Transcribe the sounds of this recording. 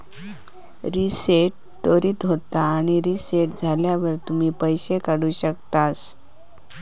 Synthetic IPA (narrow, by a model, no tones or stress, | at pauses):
ɾiseʈ̚ | t̪oɾiːt̪ɦot̪aːɽ̃iɾiseʈ̚d͡zʱaljaʋəɾt̪um̤iːpəjɕekəɽuːɕək̚t̪as